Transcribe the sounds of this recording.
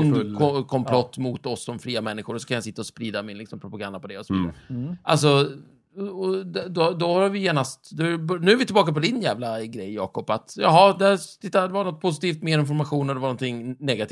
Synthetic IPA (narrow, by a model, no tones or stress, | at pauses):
nkʰɔkʰɔmpʰlɔt̪ːmʊt̪ɔsd̪ɔmfɾiːamɛnːɪɧʊɾɔsɔ̥kʰanjasɪt̪ːaɔspɾiːd̪amɪnlɪksɔmpʰɾʊpaɡand̪apɔd̪ɛɔsɔiʔa̰ls̬ɔ | ɔd̪d̪ɔd̪ɔhaɾvɪjeːnast̪d̪ɔbnʉ̟ːæɾvɪt̪ɪlbɑːkapɔd̪ɪnjæːvlaɡɾɛjːɑːkɔpːat̪jɑːɦɑːd̪ɛæt̪ʰɪt̪ːad̪ɛvanɔt̪̚ːpʰʊs̬ɪt̪ʰiːft̪meːɾɪnfɔɾmaɧuːnɔd̪ɛvanɔnt̪ʰɪŋnɛɡat̪ʰi